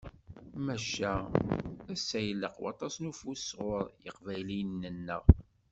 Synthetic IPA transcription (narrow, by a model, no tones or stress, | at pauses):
mæʃæ | æsːæjlːəqwɑ̰t̪ˤɑsnufusʁʊɾjə̰qvæjlinːənːə̰ʁ